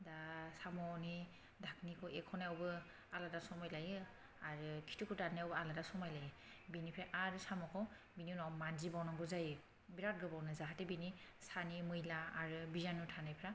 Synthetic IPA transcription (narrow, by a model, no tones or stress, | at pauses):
dasamɔni | dʱaknikʰɔɛkʰɔnaɔbɯ | aladasɔmajlajɯ | aɹɯkʰi̥tʰukʰutanaɔbɯaladasɔmajlajɯ | binipʰɛʔaɹɯsamɔkʰɔ | bininawmanzibawnaŋɡɔzajɯ | biɾak̚ɡɯbawnazaɦatɛbinisanimɯjlaaɹɯbizanutʰanajpʰɾa